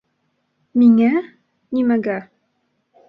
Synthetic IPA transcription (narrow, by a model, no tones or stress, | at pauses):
miŋæ | nʲimæɡæ